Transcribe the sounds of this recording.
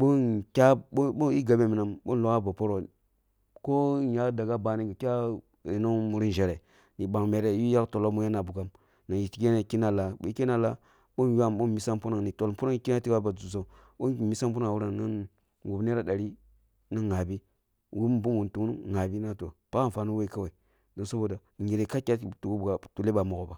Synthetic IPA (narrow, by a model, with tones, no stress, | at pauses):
ɓo˦nkʲa˦ɓo˦ɓo˦i˦ɡa˨be˦mi˨na˨mɓo˦n˦lo˨ka˦ba˨po˦ɾo˨ | ko˦ja˦da˨ɡa˦ba˨ni˦ɡa˨kʲa˦ | ɾi˨no˦ŋmu˨ɾi˦n˨ʒe˨ɾe˨ | ni˨ɓa˨ŋme˨ɾe˨ji˦ja˦kto˨lo˦mu˦ja˦na˨bu˨ɡa˦m | na˨ji˨ti˦ɡe˦ne˨ki˦na˨la˨ɓo̰˨˦ke˦na˨la˦ | ɓo˦nja˦mɓo˦nmi˨sa˦mpu˦na˨ŋni˨to˨lpu˦na˦ŋ˨ki˦na˦ti˦wa˦ba˨d͡zu˨zo˦˨ | ɓo˦˨mi˦sa˦mp̬u˦na˨wu˦ɾa˨ŋna˦n | wu˨bne˦ɾa˦ɗa˨ɾi˦ | na˦nŋa˨bi˦ | wu˦m˦bu˦nwu˨ntu˨ŋ˦n˦ŋa˨bi˦na˦to̰˨pa˦a˦˨fa˨nu˦we˦i˨ka˦wa˨i˨ | do˨nsa˦bo˨da˨ŋi˨ɾe˨ka˦kʲa˦˨tu˨ɡu˦bɡa˨tu˨le˦ba˨mu˨ɡo˨ba˨